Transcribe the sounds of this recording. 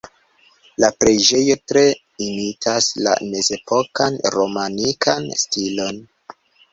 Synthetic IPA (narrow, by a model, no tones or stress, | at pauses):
lapɾed͡ʒe̞jo̞tɾe̞ | imitʰasla̰ne̞ze̞po̞kanɾo̞manikʰanstilo̞n